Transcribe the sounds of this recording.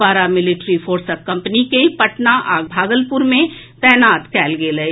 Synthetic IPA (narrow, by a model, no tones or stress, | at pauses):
aːɾamɪlɪʈɾifʰoːɾsəkːɐ̃mpnikepɐʈnaʔaːɡ̚bʱaːɡəlpʊɾmẽt̪ɛːnaːt̪kɛːlɡeːləe